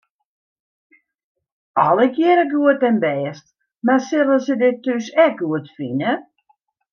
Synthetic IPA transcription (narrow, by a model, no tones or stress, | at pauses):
ʔɔləkʰjɪəɾəɡuətɛnbɛːst | masɪlˠəsədɪtːysɛk̚ɡuətfinə